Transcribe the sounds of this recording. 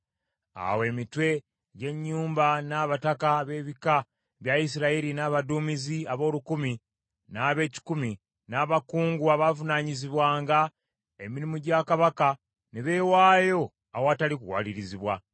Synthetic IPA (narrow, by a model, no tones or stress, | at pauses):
a̰we̞ːmitwe̞ | ɟe̞ɲːuːmbanaːβatakaβe̞ːβika | βjais̬iɾaiɾinaːβaduːmiziaβo̞ːlukumi | naːβe̞ːci̥kumi | naːβakuːŋɡuaβavunaːɲiziβwaːŋɡa | e̞miɾimuɟaːkaβaka | neβe̞ːwaːjo̞ | awoatalikuwa̰liɾiziβwa